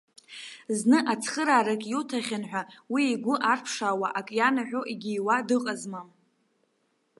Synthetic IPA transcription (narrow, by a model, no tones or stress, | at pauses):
znɨʔat͡sʰχəɾaːɾakʲʼjutʰaχʲanħʷᶣawiːɡʷʊʔarpʰʂaːwaʔakʼjanaħʷᶣoʔiɡʲijwadɨqʼazmam